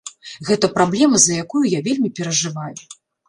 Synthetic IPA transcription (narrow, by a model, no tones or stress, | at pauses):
ɣɛt̪ɐpɾablʲɛmɐzɐjakujujavʲelʲmʲipʲɛɾɐʐɨvaju